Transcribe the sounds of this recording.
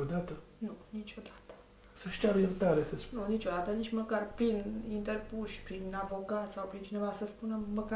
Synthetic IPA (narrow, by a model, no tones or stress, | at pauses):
od̪at̪ə | nunit͡ʃod̪ḁt̪ə̥ | səʃt̪ʲaveɾt̪aɾesəsnunit͡ʃod̪at̪ənit͡ʃʲməkarpɾinint̪erpuʃʲpɾinavoɡat̪sawpɾint͡ʃʰinevast̪əspunəmːəka